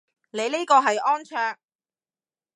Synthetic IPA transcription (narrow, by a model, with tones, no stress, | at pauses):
ne˨˧jle˥kɔː˧ɦɐ˨jɔː˥nt͡ʃʰœː˧ŋ